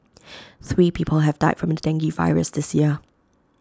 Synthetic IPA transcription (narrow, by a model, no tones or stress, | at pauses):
θɹiːpʰiˑpʰəlˠɦəvdaɪtfɹə̃mədæ̃ŋɡiva̰ɪɹə̰sðɪsjɪə